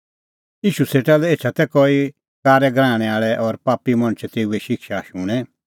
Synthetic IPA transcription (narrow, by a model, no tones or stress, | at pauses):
iːʃuseːʈalɛeːt͡ʃʰat̪ɛkɔi | kaːɾɛɡɾãːɽ̃ɛ̃aːɭɛʔɔɾpaːpimɐ̃ɽ̃t͡ʃʰt̪eːuɛʃɪkʃaʃũːɽ̃ɛ̃